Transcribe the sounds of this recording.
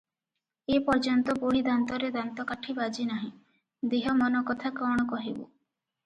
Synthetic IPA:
epɔɾd͡ʒɔnt̪ɔboɽid̪ant̪ɔɾed̪ant̪ɔkaʈʰibad͡ʒinaɦĩ | d̪eɦɔmɔnɔkɔt̪ʰakɔɽ̃ɔkɔɦibṵ

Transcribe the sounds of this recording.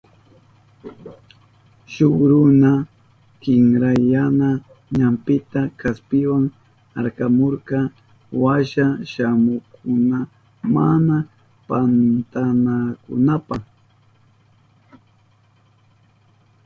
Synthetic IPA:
ʃoɾʊna | kɪŋɾajana | ɲampɪt̪akaspɪwaŋ | a̰ɾkamoɾkɑ | waʃaʃamʊkʰʊna | mana | pant̪anakʊ̰napaχ

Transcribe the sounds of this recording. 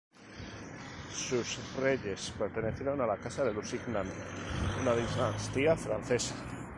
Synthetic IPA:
susreʎespeɾt̪eneθjeɾonalakasaðelusiɣnanunaðizanst̪iafɾanθesa

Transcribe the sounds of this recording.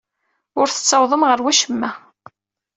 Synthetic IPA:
ʊɾθə̥t͡sːɑwðˤəmʁəɾwæʃəmːæ

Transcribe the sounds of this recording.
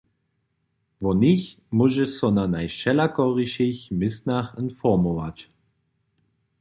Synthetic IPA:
vɔniç | muʒɛsɔnanajʃɛlakɔʁiʃeçmɪsnaχənfɔmɔvat͡ʃ

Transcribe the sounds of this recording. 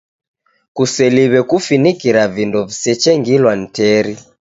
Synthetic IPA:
kusɛliβɛkufinikiɾavindɔvisɛt͡ʃɛŋɡilwan̩tɛɾi

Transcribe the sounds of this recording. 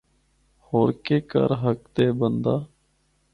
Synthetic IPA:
hoːɾkeːkə̰ɾɦək̚t̪eːbənd̪aː

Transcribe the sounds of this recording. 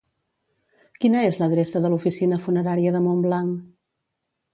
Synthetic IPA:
kinəezləðɾesəðəlufisinəfunəɾaɾiəðəmomblaŋ

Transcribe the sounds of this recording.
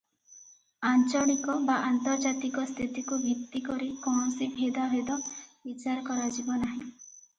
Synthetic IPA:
ant͡ʃɔɽ̃ikɔbaʔant̪ɔɾd͡ʒat̪ikɔst̪ʰit̪ikubʱit̪ːikɔɾikɔ̃ɔsibʱed̪aɦed̪ɔbit͡ʃaɾɔkɔɾad͡ʒibɔnaɦĩ

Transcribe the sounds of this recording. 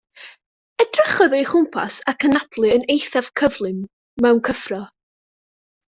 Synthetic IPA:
əd̥rəχɔðiχʊmpʰa̰sakʰənadlˠɨənejθav̥kʰəvlˠɨmː | ɛwnkʰəfrɔ

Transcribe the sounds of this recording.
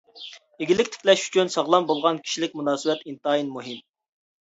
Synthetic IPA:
eɡʲilɪkʲt̪ʰɪ̥kʲlɛʃy̥t͡ʃʰynsɑʁlˠɑmbolˠʁɑnkʲʰi̥ʃilɪkʲmunɑːsɨbɛt̪int̪ɑinmuɦɨm

